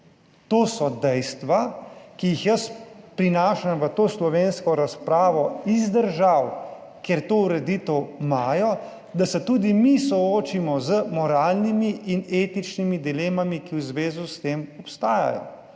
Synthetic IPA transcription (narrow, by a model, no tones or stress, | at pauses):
t̪oːsɔd̪ɛjst̪ʋakijixjɐspɾinaːʃamʋət̪oːslɔʋeːnskɔɾaspɾaːʋɔizd̪əɾʒaw | keɾt̪oːuɾɛd̪it̪ɛwmaːjɔ | d̪asɛt̪ud̪imisɔoːt͡ʃimɔzəmɔɾaːlnimiʔineːt̪it͡ʃnimid̪ileːmamikiwzʋeːzust̪eːmɔpst̪aːja̰jɔ̰